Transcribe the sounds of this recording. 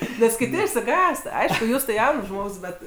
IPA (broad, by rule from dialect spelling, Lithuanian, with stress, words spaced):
nʲɛs kʲɪˈtʲɪ ɪʃʲsʲɪˈɡɑːst ˈɐɪʃkʊ ˈjuːs tɐɪ ˈjɛʊns ˈʒmoːks ˈbʲɛt